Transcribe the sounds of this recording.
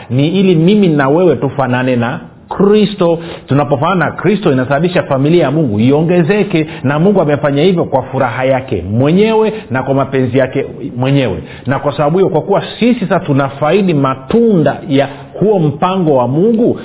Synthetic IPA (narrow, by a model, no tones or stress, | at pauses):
niilimiminawɛwɛtufananɛna | kɾistɔtunapɔfananakɾistɔinasabaɓiʃafamiliajamuŋɡuiɔŋɡɛzɛkɛnamuŋɡuamɛfaɲahivjɔkwafuɾaɦajakɛ̰mwɛɲɛwɛnakwamapɛnzijakɛmwɛɲɛwɛ̰ | nakwasaɓaɓuhijɔkwakuwasisisasatunafaiɗimatundaja | huɔm̩paŋɡɔwamuŋɡu